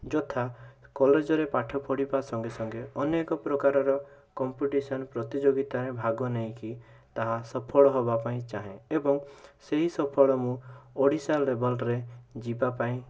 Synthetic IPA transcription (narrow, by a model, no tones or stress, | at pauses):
d͡ʒɔt̪ʰakɔled͡ʒɔɾepaʈʰɔpʰɔɽibasɔŋɡesɔŋɡeɔnekɔpɾɔkaɾɔɾɔkɔmpuʈisɔnpɾɔt̪id͡ʒoɡit̪aɾebʱaɡɔneĩki | t̪aɦasɔpʰɔɭɔɦɔbapaĩt͡ʃaɦẽebɔŋseɦisɔpʰɔɭɔmũoɽisalebɔlɾed͡ʒibapaĩ